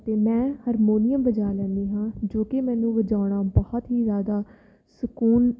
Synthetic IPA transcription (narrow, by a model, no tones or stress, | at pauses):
t̪eːmɛ̃ːhəɾmoːnɪjəmbəd͡ʒaːlɛ̃ːnd̪iːɦãːd͡ʒoːkemɛ̃ːnũːʋəd͡ʒaːʊɳaːbɔːt̪ɦiːzjaːd̪aː | səkuːn